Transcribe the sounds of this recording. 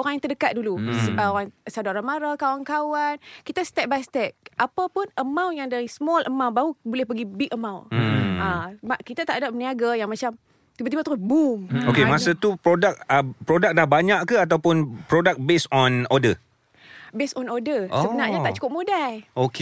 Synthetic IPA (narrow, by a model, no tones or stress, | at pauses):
oɾaŋjaŋt̪ərdəkat̪̚duluoɾaŋsadaoɾanmaɾakawankawankit̪ast̪ɛk̚bajst̪ɛk̚ʔapapʊnəmãwjaŋdaɾismɔlʔəmawbaɦubolɛhpəɡibikəmãwnamakit̪at̪aʔadap̚əniaɡajaŋmat͡ʃam | t̪ibət̪ibat̪uɾʊbumokemasat̪upɾodak̚əpɾodak̚dahbaɲaʔkəat̪̬awpʊnpɾodak̚besɔnɔdə | besɔnɔdəsəbənarɲaaʔt͡ʃu̥kʊp̚modajok